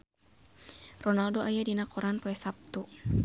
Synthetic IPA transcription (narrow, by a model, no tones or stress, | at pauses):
rɔnaldoʔajadinakɔɾanpoɛsap̚t̪u